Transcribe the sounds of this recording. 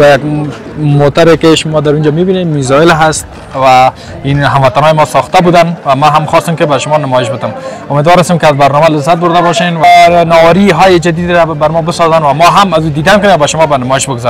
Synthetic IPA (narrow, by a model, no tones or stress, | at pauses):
bajaɡ | mot̪aɾekɪʃʊmɔd̪aɾund͡ʒɔmibinemmizɔjɪlɦast̪̚ | wa | inɦamwat̪anɔjɪmɔsɔxt̪abud̪anwamaɦamχɔst̪ɪmkɪbaʃʊmɔnɪmɔjɪʃbɪt̪ɪmʊmed̪wɔɾast̪emkɪazbaɾnɔmalɪzːat̪̚bʊɾd̪abɔʃenwanɔwaɾiɦɔjɪd͡ʒad̪id̪ɾabaɾmɔbɪsɔzanwamɔɦamazud̪id̪ankʊnewabaʃʊmɔbanɪmɔjɪʃbɪɡʊzaɾ